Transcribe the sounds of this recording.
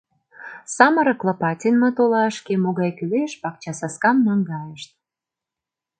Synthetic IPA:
sɑmə̆ɾɤ̆klɑpɑtʲinmɤt̪olɑʃkemoɣɑjkyleʃpɑk̚t͡ɕɑsɑskɑmnɑŋɡɑjəʃt̪̚

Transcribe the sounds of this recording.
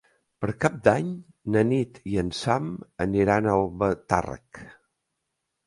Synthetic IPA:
pəɾkap̚d̪aɲ | nənit̪iənsaməniɾanəlˠβət̪a̰rə̰k

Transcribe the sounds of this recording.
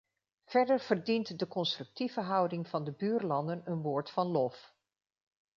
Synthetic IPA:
v̥ɛɹdəɹv̥əɹdintdəkɔnstrɵk̚tivəɦʌwdɪŋv̥ɑndəbyːɹlɑndənənʋoːɹtfɑnlɔf

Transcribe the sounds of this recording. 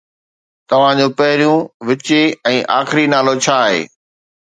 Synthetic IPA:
t̪ɐʋ̤ãd͡ʑoːpɐɦɪɾijũʋɪt͡ɕeɛ̃ːʔa̰ːxɪɾinaːlot͡ɕʰaːɦḛː

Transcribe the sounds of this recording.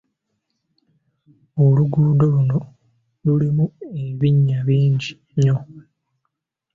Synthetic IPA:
oluɡuːdoluno̞ | lulimue̞βiɲːaβiːɲɟi | ɲo

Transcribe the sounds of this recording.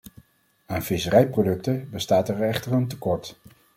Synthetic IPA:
aːnfɪsərɛjprodɵk̚təbəstaːtɛɹɛχtərəntəkɔɹt

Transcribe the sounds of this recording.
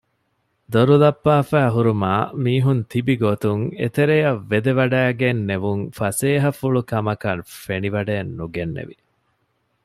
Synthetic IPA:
d̪oɾulɐpːaːfæːɦuɾumaːmiːɦunt̪ibiɡot̪uŋḛt̪eɾejɐʋːed̪eʋɐɖæːɡenːeʋuŋfɐseːɦɐfuɭukɐmɐkɐnfeniʋɐɖeːnːuɡenːḛʋi

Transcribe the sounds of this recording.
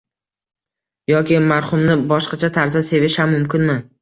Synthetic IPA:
jɒkʲɪmaɾχʊmnɪbɒʃqɑt͡ʃʰat̪ʰaɾzase̞vɪʃhamːʊmkʲɪnmɪ

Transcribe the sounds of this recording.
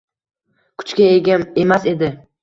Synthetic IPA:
kʰʊ̥t͡ʃkʲaeɡʲae̞mase̞d̪ɪ

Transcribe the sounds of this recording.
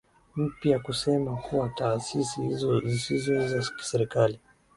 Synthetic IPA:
m̩pjakusɛmakuwataːsisihizɔzisizɔzaki̥sɛɾikali

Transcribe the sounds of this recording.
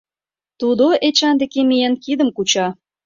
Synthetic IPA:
t̪ud̪oʔet͡ɕɑnd̪ekemijenkid̪əmkut͡ɕɑ

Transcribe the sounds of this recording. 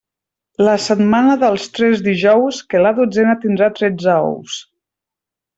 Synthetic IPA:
ləsət̪manəðəlˠst̪ɾɛzd̪iʒɔwskəlaðod͡zɛnət̪ind̪ɾat̪ɾɛd͡zəɔ̰ws

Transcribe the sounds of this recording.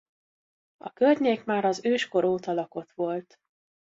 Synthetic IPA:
ɒkørɲeːkmaːɾɒzøːʃko̞ɾoːt̪ɒlɒko̞t̪ʋo̞lt̪

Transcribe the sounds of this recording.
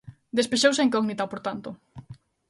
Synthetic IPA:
d̪espeʃowseŋkɔɣnit̪apoɾt̪ant̪ʊ

